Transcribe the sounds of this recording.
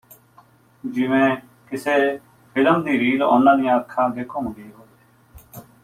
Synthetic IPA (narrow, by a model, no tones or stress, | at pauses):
d͡ʒɪʋẽː | kɪseː | pʰɪləmd̪iːɾiːlo̰nãːnĩːaːkʰːãːd̪eːkʰõːɡiːɦoːd̪e